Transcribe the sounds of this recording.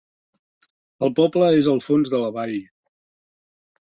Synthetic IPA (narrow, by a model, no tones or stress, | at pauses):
əlˠpɔpləezəlˠfonzðələβaʎ